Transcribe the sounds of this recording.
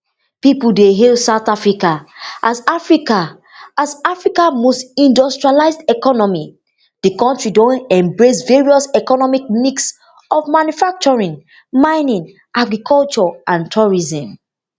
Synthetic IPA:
pipuldeɦilsaʊθafɹikaʔasafɹika | azafɹikãnmostĩndɔstɹialaɪzdɛkɔnɔmi | dikɔ̃ntɹidõnɛ̃mbɹes̬veɹiɔsɛkɔnɔmik̚miks | ɔvmanjufak̚t͡ʃɔɹĩn | mãɪnĩn | ʔaɡɹikʰɔlt͡ʃɔãntʰuɹizɔ̃m

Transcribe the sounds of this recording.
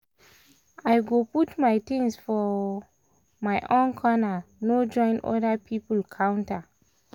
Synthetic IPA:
ajɡoputmajtĩnsfɔ | majʔõnkʰɔnanod͡ʒɔ̃ɪ̃nɔ̰dapʰipəl̩kʰãnta

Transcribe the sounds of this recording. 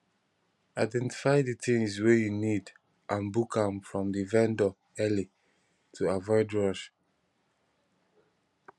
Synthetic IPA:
aɪdɛ̃nti̥faɪditĩŋswejunid | ʔãnbukʰãmfɹɔ̃mdivɛ̃ndɔ | ɛli | tʰuavɔɪdɹɔʃ

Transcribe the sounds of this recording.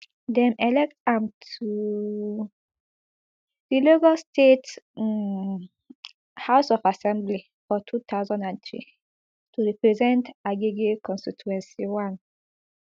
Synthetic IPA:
dɛ̃mɛlɛk̚tãmtʰu | dilokalstʰet | haʊsɔfasɛ̃mbli | fɔtʰut̪ʰaʊzɔ̃ndãnt̪ɹḭ | tʰuɹipɹɛzɛ̃ntaɡeɡekʰɔ̃nstitʰuɛ̃nsiwãn

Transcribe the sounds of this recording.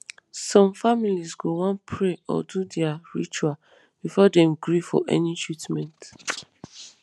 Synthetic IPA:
sɔ̃mfamilisɡowãnpʰɹeɔ̰dudɛaɹḭt͡ʃua | b̥ifɔdɛ̃mɡɹifɔ̰ʔɛ̰nitɹitmɛ̃nt

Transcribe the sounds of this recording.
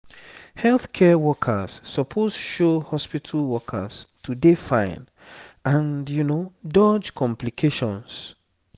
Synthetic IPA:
hɛlθkʰɛwɔkʰə̰z̥ːɔpʰoztu̥ʃohɔspitʰalwɔkʰə̰z̥tʰudefãɪ̃n | ãnjunodɔd͡ʒkʰɔ̃mplikʰeʃɔ̃ns

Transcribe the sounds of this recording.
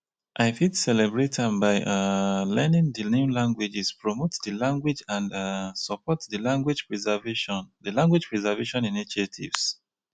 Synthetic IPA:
ʔaɪfitsɛlɛbɹetʰə̃nbaɪʔalɛnĩŋðənẽmlãŋɡwid͡ʒispɹɔmotðəlãŋɡwid͡ʒãndasɔpʰɔtðəlãŋɡwid͡ʒpɹizɛveʃɔ̃nðəlãŋɡwid͡ʒpɹɛzɛveʃɔ̃niniʃətʰḭv̥s

